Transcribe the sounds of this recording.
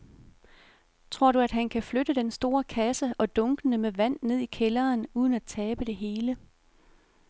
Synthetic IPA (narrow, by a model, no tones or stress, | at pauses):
t͡sʰʁo̝ɐ̰ɾuæd̥ɦænkʰæflød̥əd̥ensd̥o̝ːɐkʰæsəɒ̽d̥ɔ̽ŋɡ̥ənəmeʋæn̰ne̝ð̞̰ˠikʰelɐːnuːð̞ˠən̩æt͡sʰɛːb̥əd̥e̝ɦe̝ːlə